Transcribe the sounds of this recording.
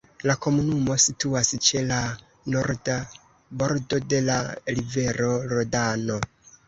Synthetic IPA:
lako̞munumo̞situast͡ʃe̞la | noɾda | bo̞ɾdo̞de̞laɾive̞ɾo̞ɾodano̞

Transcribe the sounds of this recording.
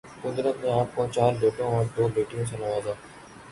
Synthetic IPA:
kʊd̪ɾət̪mẽaːp̚kot͡ʃaːɾɖeːʈõɔːɾd̪oːbeːʈɪjõːsãnəʋaːzaː

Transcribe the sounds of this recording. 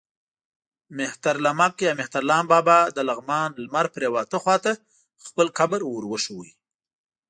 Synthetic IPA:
mɪht̪aɾlamakjɑmɪht̪aɾlɑːmbɑbɑd̪əlaɣmɑnlmaɾpɾewɑt̪əxwɑt̪a | xpəlkabəɾwoɾwəʃəwi

